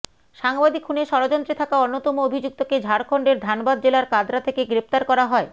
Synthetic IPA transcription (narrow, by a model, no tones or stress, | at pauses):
ʃaŋbad̪ikʰːuneʃɔɾod͡ʑɔnt̪ɾet̪ʰakaonːot̪ɔmoobʱid͡ʑuk̚t̪oked͡ʑʱaɾkʰoɳɖeɾd̪ʱanbad̪d͡ʑelaɾkad̪ɾat̪ʰekeɡɾept̪aɾkɔɾaɦɔe